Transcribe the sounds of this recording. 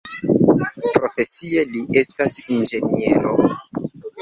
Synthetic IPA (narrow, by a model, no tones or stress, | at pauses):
pɾo̞fe̞sie̞liʔe̞stasind͡ʒe̞nie̞̰ɾo